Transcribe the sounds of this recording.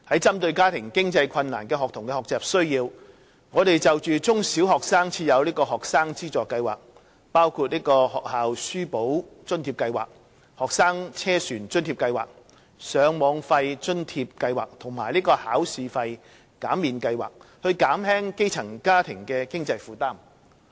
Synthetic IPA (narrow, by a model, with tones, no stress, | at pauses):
hɐ˨˥jt͡sɐ˥mt̪ɵ˧ɥkaː˥t̪ʰɪ˨˩ŋkɪ˥ŋt͡sɐ˧jkʰɐ˧nːaː˨˩nkɛː˧hɔː˨k̚t̪ʰʊ˨˩ŋkɛ˧hɔː˨k̚t͡sɛː˨p̚sɵ˥ɥjiː˧w | ŋɔː˨˧ɾe˨jt͡sɐ˨wt͡ʃyː˨t͡sʊ˥ŋsiː˨˥wɦɔː˨k̚saː˥ŋt͡sʰiː˧jɐ˨˧wliː˥kɔː˧ɦɔː˨k̚saː˥ŋt͡siː˥t͡sɔː˨kɐ˧jwa̰ː˨˩k̚ | paː˥wkʰu˧t̚liː˥kɔː˧hɔː˨k̚haː˨wsyː˥po˨˥wt͡ʃɵ˥nt̪ʰiː˧p̚kɐ˧jwaː˨k̚ | hɔː˨k̚saː˥ŋt͡sʰɛː˥syː˨˩nt͡ʃɵ˥nt̪ʰiː˧p̚kɐ˧jwaː˨k̚ | sœː˨˧ŋmɔː˨˧ŋfɐ˧jt͡ʃɵ˥nt̪ʰiː˧p̚kɐ˧jwaː˨˩k̚t̪ʰʊ˨˩ŋmaː˨˩jliː˥kɔː˧haː˨˥wsiː˨fɐ˧j | kaː˨˥mːiː˨nkɐ˧jwa̰ː˨k̚hɵ˧ɥkaː˨˥mhɛː˥ŋke˥jt͡sʰɐ˨˩ŋkaː˥t̪ʰɪ˨˩ŋkɛː˧kɪ˥ŋt͡sɐ˧jfuː˨˧t̪aː˥m